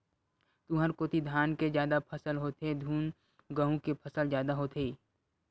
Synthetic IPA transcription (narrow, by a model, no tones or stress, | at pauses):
t̪uːɦəɾkoːt̪id̪ʱjaːnkezjaːd̪apʰəsəlɦoːt̪ed̪ʱuːn | ɡəɦũkepʰəsəlzjaːd̪aɦoːt̪eː